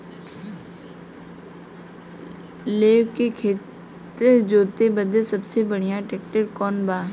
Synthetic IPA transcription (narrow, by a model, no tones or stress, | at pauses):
leːʋkekʰeːt̪ | əd͡ʒoːt̪ebəd̪əsəbsebəɽ̤ɪjãːʈeːkʈəɾkɔːnbaː